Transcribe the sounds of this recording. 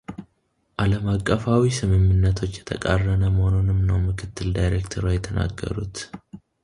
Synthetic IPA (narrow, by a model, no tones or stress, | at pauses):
ʔaləmakʼːəfawisɨmɨmɨnːət̪ʰo̞t͡ʃːjɛt̪ʰəkʼarːənəməhononɨmnəwmɨkʰɨt̪ːɨld̪ajɾekt̪ʰəɾojɛt̪ʰəna̰ɡːə̰ɾṵt̪